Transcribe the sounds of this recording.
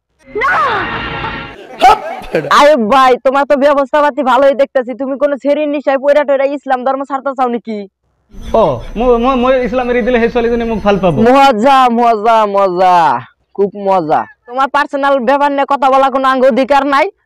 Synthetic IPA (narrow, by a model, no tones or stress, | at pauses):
na | ajebʱajt̪omaɾt̪ɔbjɔbɔst̪ʰabat̪ibʱaloed̪ek̚ʰt̪asʰit̪umikonot͡sʰeɾiniʃajpojɾaʈojɾaislamd̪ʱɔɾmɔsaɾt̪at͡sawniki | ɔmomojmojislameɾid̪ileɦesalizɔnemuk̚pʰalpabomɔɦɔd͡zamɔd͡zamɔd͡za | kʰubmɔd͡za̰t̪omaɾpaɾsɔnalbɔbanːjɔkɔt̪ʰabɔlak̬onoaŋɡood̪ʱikaɾnaj